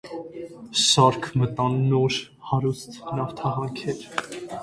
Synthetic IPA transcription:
sɑɾkʰmət̪ɑnːɔɾ | hɑɾust̪nɑft̪ʰɑɦɑŋkʰɛɾ

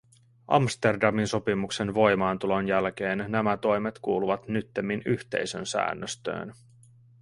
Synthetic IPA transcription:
ʔɑ̰mst̪e̞rdɑminso̞pimukse̞nʋo̞jmɑːnt̪ulo̞njælk̟e̞ːnːæmæt̪o̞jmet̪kuːluʋɑt̪nyt̪ːemːinyçt̪e̞̰jsø̰nsæ̰ːnːøst̪ø̰ːn

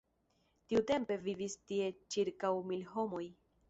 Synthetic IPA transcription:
tiute̞mpe̞vivistie̞t͡ʃiɾkawmilɦo̞mo̞j

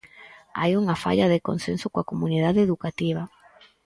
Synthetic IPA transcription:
a̰juŋɐfa̰ʎaðeko̰nsensʊkwakomuniðaðeeðukat̪iβ̞ɐ

